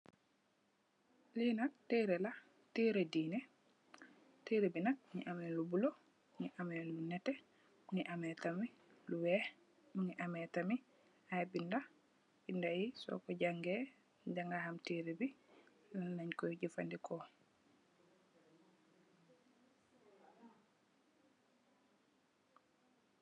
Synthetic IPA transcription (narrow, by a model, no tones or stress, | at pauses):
linak̚tiɾɛla | tiɾɛdiːnɛ | tiɾebinak̚ɲḭʔamɛlubulɔ | ɲiʔamɛlunɛtɛ | mŋiʔamɛtami | luwɛ | muŋiʔamɛtami | ajbinda | bindajisɔ̰kɔd͡ʒaŋɡɛ | dɛŋɡaɦamtiɾibi | lanaɲkɔjɟifandikʰɔ